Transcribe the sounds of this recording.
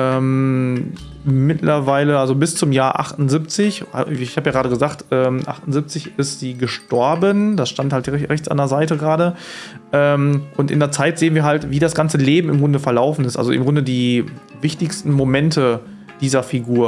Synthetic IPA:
ʔɛːm | mɪtlɐvaɪləʔalzobɪst͡sʊmjaːɐʔa̰χtʊnzɪp̚t͡sɪç̰ɪçhaːbjaɡʁaːdɾəɡəzaːktʔɛːmʔa̰χtʊnzɪp̚t͡sɪçɪstz̥iːɡəʃtɔɐbənd̥asʃtanthaltɛʁɛçt͡sa̰ndeɐzaɪtəɡʁaːɾə | ʔɛːmʔʊntʔɪ̰ndeːɐt͡saɪtz̥eːənviːɐɦaltviːdasɡ̥ant͡səleːbm̩ɪmɡʁʊndəfɛɐlaʊfn̩ɪstʔa̰lzoʔɪ̰mɡʁʊndədiː | vɪçtɪçstn̩momɛntʰə | d̥iːzɐfiɡuːɐ

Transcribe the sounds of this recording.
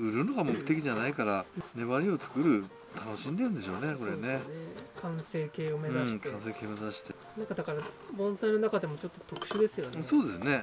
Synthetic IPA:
ɯ̟ɾɯ̟noɡamokɯ̟t̪ːe̞kʲiʑanaikaɾane̞βaɾʲio̞t͡sɨ̥kɯ̟ɾɯ̟ | t̪ʰano̞ɕĩnd̪e̞ɯ̃nd̪e̞ɕo̞ːne̞ko̞ɾe̞ne̞kʰãɰ̃se̞ːke̞ːome̞zãɕikãɰ̃s̬e̞ːke̞ːome̞zaɕi̥t̪e | nãŋkad̪akaɾa | bõ̞ɰ̃saino̞nakad̪e̞mo̞t͡ɕo̞t̪ːot̪o̞kɯ̟̥ɕɨd̪e̞sɨjo̞nso̞ːd̪e̞sɨne̞

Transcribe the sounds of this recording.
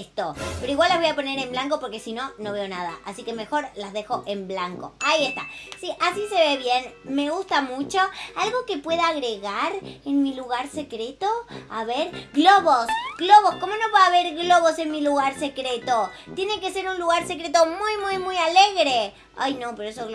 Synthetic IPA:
st̪opeɾoiɣwalːaβojapone̞ɾe̞mblaŋko̞po̞ɾkesino̞no̞β̞eo̞nað̞a̰ʔasike̞me̞xo̞ɾlazðe̞xo̞ʔemblaŋko̞̰aie̞st̪a̰siʔasise̞βeβje̞nme̞ɣust̪amut͡ʃo̞alɣo̞ke̞pwe̞ðaːɣɾeɣaɾenmiluɣaɾsekɾet̪oaβeɾɣlo̞βosɣlo̞βo̞sko̞mo̞noβaːβeɾɣlo̞βo̞se̞nmiluɣaɾse̞kɾet̪o̞t̪je̞nekese̞ɾunluɣaɾse̞kɾet̪o̞mujmujmujaleɣɾe | a̰jnopeɾoesoɣ

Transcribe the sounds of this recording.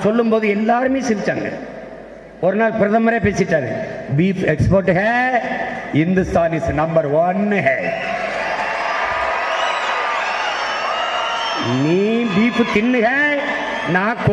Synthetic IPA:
sɔlːɯmpoːðɯɛlːaːɾɯmeːsɪʋɪt͡ʃːaːŋɡɐ̰ | ɔɾɯnaːlpɪɾɐðɐmɐɾeːpeːsɪʈːaːɾɯ̰biːpɛkspoːɾʈːɯɣɐ | hɪnd̪ɯst̪aːnisnɐmbɐɾʋɐnɦɛ | niːbiːpɯt̪ɪnːɯɣɐ | nãːk

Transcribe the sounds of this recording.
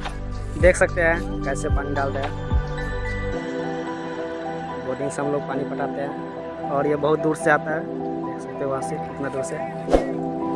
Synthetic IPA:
d̪ekʰsək̚t̪eɦɛ̃ | kɛːsepaniɖalt̪eɦɛ̃ | boɖiŋɡseɦə̃mloːɡ̚panipəʈat̪eɦɛ̃ | ɔːɾjebəɦut̪̚d̪uɾseat̪aɦɛ | d̪ekʰsək̚t̪eɦɛʋɦãseɪt̪nad̪uːɾse

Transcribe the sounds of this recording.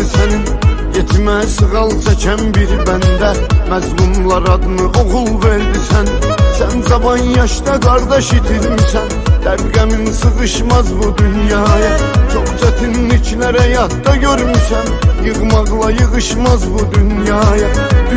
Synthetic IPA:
sæninɟet̪ʰmæsɯɣɑlˠt͡ʃʰæt͡ʃʰænbiɾbænd̪æmæzmumlˠɑɾɑd̪ɯnɯʔoɣulˠveɾd̪isænsænzɑbɑnjɑʃd̪ɑɡɑɾd̪ɑʃit̪ʰiɾmysænt̪æbɡæminsɯɣɯʃmɑzbud̪ynjɑːjɑt͡ʃʰoχd͡ʒ̪æt̪ʰinlit͡ʃʰnæɾæjɑt̪d̪ɑɟøɾmysænjɯɣmɑʁlˠɑjɯɣɯʃmɑzbud̪ynjɑːjɑd̪̥

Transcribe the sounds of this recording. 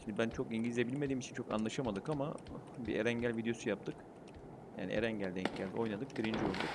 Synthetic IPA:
ʃimd̪ibænt͡ʃʰo̞kiɲɟilʲzʲebilʲme̞d̪iːmit͡ʃʰint͡ʃʰo̞ka̰nlˠaʃamad̪ɯkamabiʔeɾæɲɟælʲvid̪ejo̞sujap̚t̪ʰɯk | ja̰ːnḭʔḛɾæɲɟælʲd̪ɛɲcɟælʲd̪io̞jnad̪ɯk̚ɡ̥ɯɾind͡ʒolˠd̪uk

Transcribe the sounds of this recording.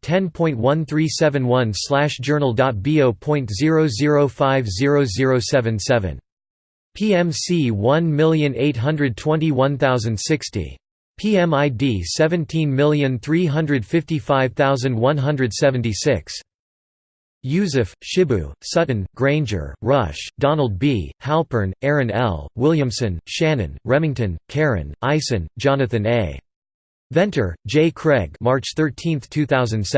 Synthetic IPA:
tʰɛ̃npʰɔ̃ɪ̃nt̚wʌ̃nθɹisɛvɨ̃nwʌ̃nslæʃd̥ʒd͡ʒ̥ɜ˞nl̩ˠdɑt̚b̥ioʊpʰɔ̃ɪ̃ntzɪɹoʊzɪɹoʊfaɪvzɪɹoʊzɪɹoʊsɛvɨ̃nsɛvɨ̰̃n | pʰiɛ̃msiwʌ̃nmɪlˠjɨ̃neɪt̚ɦʌ̃ndɹɨd̚tʰw̥ɛ̃ntiwʌ̃nθaʊzɨ̃nd̥sɪkstḭ | pʰiɛ̃maɪdisɛvɨ̃ntʰĩnmɪlˠjɨ̃nθɹiɦʌ̃ndɹɨd̥fɪftifaɪv̥θaʊzɨ̃nd̚wʌ̃nɦʌ̃ndɹɨd̥sɛvɨ̃ntisɪks | jʉzɨfʃɪbʉ̰sʌɨ̃nɡ̥ɹẽɪ̃nd͡ʒə̰˞ɹʌʃd̥ɑnl̩ˠd̚bihælˠpə˞nɛɹɨ̃nɛ̰lˠwɪlˠjɨ̃msɨ̃nʃæ̃nɨ̰̃nɹɛmɪ̃ŋtɨ̃nkʰɛɹɨ̰̃nʔaɪsɨ̃nd͡ʒɑnɨθɨ̃neɪ | vɛ̃ntʰə˞d͡ʒeɪkʰɹ̥ɛɡ̚mɑɹt͡ʃθɜ˞tʰĩnθtʰʉθaʊzɨ̃nds

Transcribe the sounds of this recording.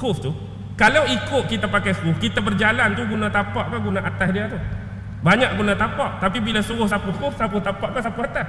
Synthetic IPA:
kʊft̪u | kalawikʊʔ̪̚kit̪apakajkʊfkit̪abərd͡ʒalant̪uɡunãt̪apaʔpahɡunaʔat̪asdiat̪u | baɲãʔɡunat̪apaʔt̪apibilasuɣʊhsapukʊfsaput̪apaʔpasapuat̪as

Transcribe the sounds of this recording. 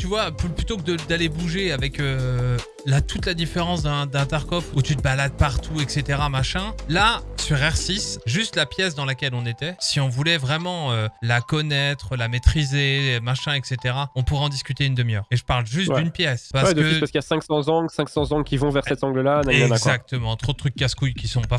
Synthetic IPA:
t̪yvwapyplyt̪okəd̪əd̪alebuʒeavɛkø | lat̪ut̪lad̪ifeʁɑ̃sd̪ɛ̃d̪ɛ̃t̪ɛʁkɔput̪yt̪əbalad̪̚paʁt̪ʰuɛkset̪eʁamaʃɛ̃lasyʁɛʁsisʒyst̪lapjɛsd̪ɑ̃lakʲɛlɔ̃net̪ɛsiɔ̃vulɛvʁɛmɑ̃ølakɔnɛt̪χəlamet̪χizemaʃɛ̃ɛkset̪eʁaɔ̃puʁɛɑ̃d̪iskʲyt̪eynd̪əmjœːʁeʒəpaʁlʒyst̪d̪ynpjɛspaʁwəd̪əpaskijasɛ̃ksɑ̃zɑ̃ɡlsɛ̃ksɑ̃zɑ̃ɡlkʲivɔ̃vɛʁssɛt̪ɑ̃ɡləlanaɛazak̚t̪əmɑ̃t̪χod̪ət̪χyk̚ːaskujkʲisɔ̃pa

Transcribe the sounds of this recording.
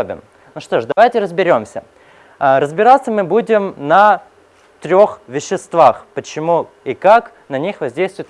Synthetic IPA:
obʲɪ̰m | nuʂt̪o̞ʂd̪ɐvajtʲɪɾəzbʲɪɾʲo̞msʲə | əɾəzbʲɪɾat̪sːəmɨbudʲɪmnɐ | t̪ɾʲo̞xvʲɪɕːɪst̪vaxpət͡ɕɪmu | ikak | nɐnʲixvɐzʲdʲejst̪vʊɪt̪

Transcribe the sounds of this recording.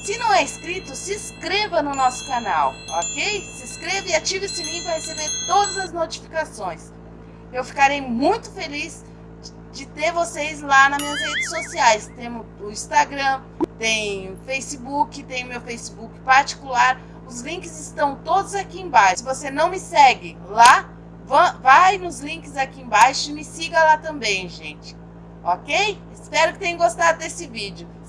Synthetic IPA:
sɪnɐ̃w̃ɛɪskɾit̪ʊsɪskɾevɐnʊnɔsʊ̥kanawɔkejsɪskɾevɐɪat͡ʃivesɪlĩkahesebeɾt̪od̪ɐzɐznot͡ʃifi̥kasõj̃s | ewfi̥kaɾejmũj̃t̪ʊ̥feliz | d͡ʒɪt̪eɾvosejzlanɐmiɐzhed͡ʒɪsosiajst̪ẽmʊ | ʊĩst̪aɡɾɐ̃ | t̪ẽj̃ʊfejsɪbukɪt̪ẽj̃ʊmewfejsɪbukɪ̥paɾt͡ʃi̥kulaɾ | ʊzlĩkɪzɪst̪ɐ̃w̃t̪od̪ʊzakiẽbajʃsɪvosenɐ̃w̃mɪsɛɡɪ | la | vɐ̃vajnʊzlĩkɪzakiẽbajʃʊɪmɪsiɡɐlat̪ɐ̃mbẽj̃ʒẽt͡ʃɪ̥ | ɔkejɪspɛɾʊkɪ̥t̪ẽj̃ɐʊ̃ɡost̪ad̪ʊd̪esɪvid͡ʒɪʊ

